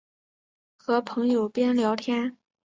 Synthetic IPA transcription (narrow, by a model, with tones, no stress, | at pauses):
xɤ˧˥pʰɤ˧˥ŋjo˨˩ʊpjɛ˥nljɑ˧˥ʊt̪ʰjɛ˥n